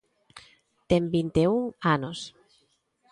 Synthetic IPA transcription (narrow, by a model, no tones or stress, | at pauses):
t̪embint̪euŋanos